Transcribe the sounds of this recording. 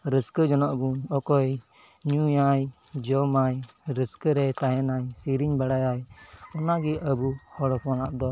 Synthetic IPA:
ɾəskəd͡ʒɔnɔʔbunɔkɔj | ɲujaj | d͡ʒɔmajɾəskəɾɛt̪aɦɛnajsiɾiɲbaɽajajɔnaɡiʔəbuhɔɽɔpɔnaʔd̪ɔ

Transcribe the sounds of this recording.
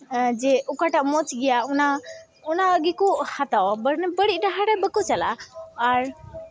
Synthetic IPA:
d͡ʒɛʔukaʈaʔmɔt͡ʃɡɛjauna | unaɡikuʔhat̪awbəɾnɛbəɽit̪̚ˀʈaɦaɾɛbəkɔt͡ʃala̰ːɾ

